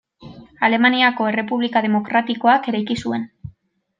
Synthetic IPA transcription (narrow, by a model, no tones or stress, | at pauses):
ale̞maniako̞e̞re̞puβlikað̞e̞mo̞kɾat̪iko̞ake̞ɾajkisue̞n